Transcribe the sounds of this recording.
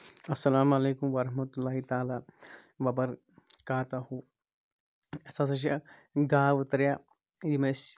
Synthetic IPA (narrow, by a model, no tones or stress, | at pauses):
ɐsːɐlaːmɐleːkumʋɐɾɐɦmɐt̪ulːaːɦit̪aːlaː | bɐbɐɾ | kaːt̪aɦu | sasɐʃ̬aɡaːʋʊt̪ɾjaː | jimes